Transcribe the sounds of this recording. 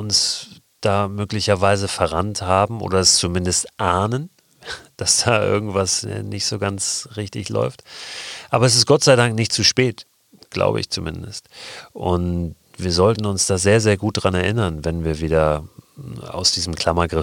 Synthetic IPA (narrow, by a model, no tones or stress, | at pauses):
ʊns | d̥aːmøːklɪçɐvaɪzəfɛɐʁanthaːbm̩ʔo̰ːdɐɛst͡sumɪndəstʔaɐnən | d̥asd̥aːʔɪ̰ɐɡŋ̩tv̥asnɪçtz̥oːɡant͡sʁɪçtɪçlɔ̰ʏftʔaːbɐɛs̬ɪstɡ̥ɔtz̥aɪdaŋknɪçtt͡suʃpɛːt | ɡ̥la̰ʊbə̰ɪ̰çt͡sumɪndəstʔʊnt | v̥iːɐzɔltn̩ʊnsd̥aːzeːɐzeːɐɡuːt̚d̥ʁanɛɐʔɪnɐnvɛnviːɐviːdɐ | a̰ʊsd̥iːzəm̩kʰl̥amɐɡʁɪ